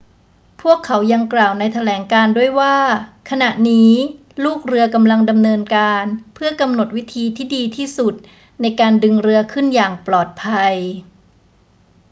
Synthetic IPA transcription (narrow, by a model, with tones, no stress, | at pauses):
pʰu˥˩əkʰːa˩˦wja˧ŋklaː˨˩wna˧jt̪ʰa˧lɛː˩˦ŋkaː˧ndu˥˩əjwaː˥˩kʰa˧na˨˩ʔniː˦˥ | luː˥˩k̚ɾɯ˧ɐka˧mla˧ŋda˧mnɤː˧nkaː˧npʰɯ˥˩ɐka˧mno˨˩t̪̚wi˦˥t̪ʰiː˧t̪ʰiː˥˩diː˧t̪ʰiː˥˩su˨˩t̪̚ | na˧jkaː˧ndɯ˧ŋɾɯ˧ɐkʰɯ˥˩njaː˨˩ŋplɔː˨˩t̪̚pʰa˧j